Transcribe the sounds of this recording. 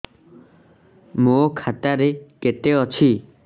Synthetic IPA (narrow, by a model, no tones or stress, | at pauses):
mokʰat̪aɾeket̪eɔt͡ʃʰi